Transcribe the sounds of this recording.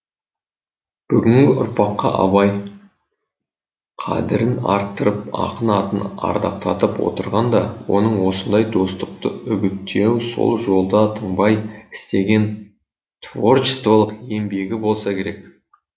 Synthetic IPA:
b̥ʏɡʲɪŋɡʲɪʔʊɾpɑqːɑ̰ʔɑ̰βɑj | qʰɑ̰d̪ɪɾɪnɑ̰ɾt̪ːəɾəp̚ɑ̰qənɑt̪ənɑ̰ɾd̪ɑ̰p̚t̪ʰɑt̪əpwo̞̰t̪əɾʁɑnd̪ɑwo̞̰nəɴwo̞sənd̪ɑjd̪o̞st̪əq̚t̪əʏɡʲɪt̪ːe̞wso̞̰lˠʒo̞lˠd̪ɑt̪ʰəɴbɑjɪ̥st̪e̞ɡʲe̞n | t̪vo̞rt͡ʃɪ̥st̪volˠəqe̞mbe̞ɡʲɪbo̞lˠsɑkʲʰe̞ɾe̞k̚

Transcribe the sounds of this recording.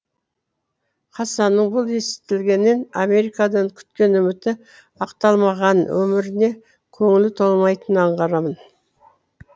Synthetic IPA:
qʰɑsɑnəɴbʊlˠe̞sɪ̥t̪ɪlɡʲe̞nːe̞name̞ɾijkɑd̪ɑɴkʲʰʏ̥t̪kʲe̞nʏmɪt̪ɪ | ɑqt̪ɑlˠmɑʁɑnwɵ̰mɪɾɪne̞ | kʲʰɵŋɪlɪt̪ʰo̞lˠmɑjt̪ənəɑɴʁɑɾɑmən

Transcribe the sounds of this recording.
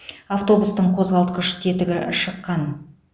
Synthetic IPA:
aft̪o̞bust̪əɴqʰo̞zʁɑlˠt̪̚qəʃt̪ʰe̞t̪ɪɡʲɪʃəqːɑn

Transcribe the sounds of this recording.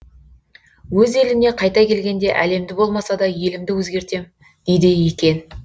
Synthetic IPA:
wɵze̞lɪmne̞qʰɑjt̪ɑkʲe̞lɡʲe̞nd̪e̞ʔæle̞md̪ɪbo̞lˠmɑsɑd̪ɑje̞lɪmd̪ɪwɵzɡʲe̞ɾt̪e̞m | d̪̥ejd̪ejekʲe̞n

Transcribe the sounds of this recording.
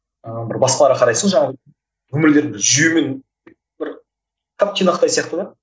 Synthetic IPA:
əbɪ̰ɾbɑsqɑlˠɑɾəqʰɑɾɑjsəɴʒɑɴɑb | kʰɵmɪɾd̪e̞ɾd̪ɪbɪɾʒʏjume̞n | bɪɾ | t̪ʰap̚t̪ʰinaəqt̪ɑjsijɑqt̪əd̪ɑ

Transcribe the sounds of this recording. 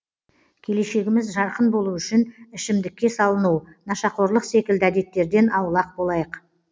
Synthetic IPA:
kʲʰe̞le̞ʃe̞ɡʲɪmɪzʒɑɾqənbo̞lˠuʏʃɪnɪʃɪmd̪ɪkʲːe̞sɑlˠənunɑʃɑqo̞ɾlˠəqse̞kʲɪld̪ɪæd̪e̞t̪ːe̞ɾd̪e̞nʔɑwəlˠɑq̚bo̞lˠɑjəq

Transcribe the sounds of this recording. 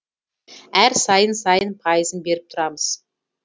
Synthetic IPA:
æɾsɑjənsɑjənpʰɑjəzənbe̞ɾɪp̚t̪ʰʊɾɑməz̥

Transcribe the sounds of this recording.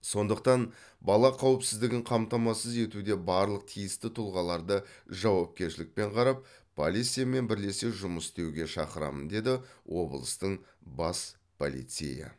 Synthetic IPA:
so̞nd̪əq̚t̪ɑn | bɑlˠɑqʰɑwɪpsɪzd̪ɪɡʲɪŋqʰɑmt̪ɑmɑsəze̞t̪ud̪e̞bɑɾlˠəq̚t̪ʰijɪst̪ɪt̪ʰʊlˠʁɑlˠɑɾd̪əʒɑwɑp̚kʲe̞ɾʃɪlɪk̚pe̞ɴqʰɑɾɑp̚ːʰ | o̰lʲijt̪sijame̞nbɪɾle̞se̞ʒʊməst̪e̞wɡʲe̞ʃɑ̰qəɾɑ̰mənd̪e̞d̪ɪwʔo̞blˠəst̪əɴbɑs | pʰo̰lḭt̪sḛjɪ̰

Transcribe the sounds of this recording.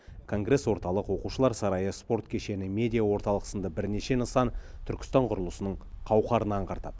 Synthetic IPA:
kʰo̞ŋɡre̞swo̞ɾt̪ɑlˠəqwo̞quʃəlˠɑɾsɑɾɑjəspo̞ɾt̪kʲʰe̞ʃe̞nɪmʲe̞d̪ijawo̞ɾt̪ɑlˠəqə̥sənd̪ɑbɪɾne̞ʃe̞nəsɑnt̪ʰʏɾkʲɪ̥st̪ɑɴqʰʊɾəlˠəsənəɴ | qʰɑwqɑɾənɑɴqʰɑɾt̪ɑ̰d̪̥ə

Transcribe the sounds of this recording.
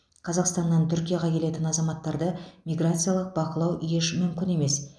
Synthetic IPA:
qʰɑzɑqst̪ɑnːɑnt̪ʰʏɾkʲijaʁɑkʲʰe̞le̞t̪ɪnɑzɑmɑt̪ːɑɾd̪əmʲijɡrat̪sɨjalˠəq̚bɑqəlˠɑwʔijeʃmʏmkʲɪne̞me̞s

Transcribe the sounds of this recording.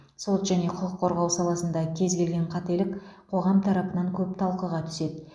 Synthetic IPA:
so̞t̪ʒæne̞qʰʊqəqʰːoɾʁɑwsɑlˠɑsənd̪ɑkʲʰe̞zɡʲe̞lɡʲe̞ɴqʰɑt̪e̞lɪkqʰo̞ʁɑmt̪ʰɑɾɑpənɑŋkʲʰɵpt̪ʰɑlˠqəʁɑt̪ʰʏ̥se̞d̪ɪ

